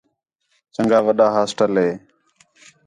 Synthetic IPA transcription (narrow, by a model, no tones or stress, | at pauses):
t͡ʃəŋɡaːʋəɗaːɦaːsʈəlɦeː